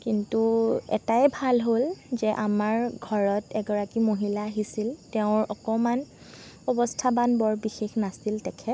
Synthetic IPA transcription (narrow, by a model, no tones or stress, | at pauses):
kintuɛ̰tajɛbʱalɦolzɛʔamaɹɡʱɔɹɔtɛɡɔɹakimoɦilaːɦisiltɛʊ̃ɹɔkɔman | ɔbɔstʰabanbɔɹbixexnasiltɛkʰɛt